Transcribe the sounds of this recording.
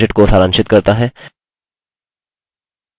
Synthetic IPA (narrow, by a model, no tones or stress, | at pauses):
eʈkosʰaːɾãnʃɪt̪kɐɾt̪aɦɛː